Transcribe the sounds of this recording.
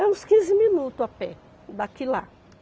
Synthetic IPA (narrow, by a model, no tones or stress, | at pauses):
ɐ̃ũskĩzɪmĩnut̪ʊapɛ | d̪akila